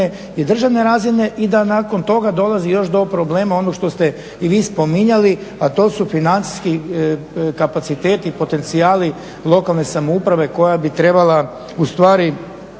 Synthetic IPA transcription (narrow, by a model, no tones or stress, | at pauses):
e | id̪r̩ʒaʋne̞ɾaːzine̞ʔid̪anaːko̞nt̪o̞ɡad̪o̞lˠazijo̞ʃd̪o̞pɾo̞ble̞ːmaonoʃt̪o̞st̪e | iʋiːspo̞miɲaliat̪o̞ːsufinant̪si̥ski | kapat̪sit̪e̞ːt̪ipo̞t̪e̞nt̪siaːli | lˠo̞kalˠne̞samoupɾaʋe̞ko̞jabit̪ɾe̞bala | ust̪ʋaːɾi